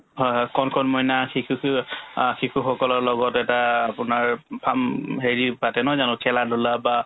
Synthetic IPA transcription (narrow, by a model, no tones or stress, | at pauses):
kɔnkʰɔnmɔjnaxikʰu | xikʰuxɔkɔlɔɹlɔɡɔtɛtaːpʊnaɹpʰamɦeɹipatɛnɔzanʊ̃kʰɛladʱulaba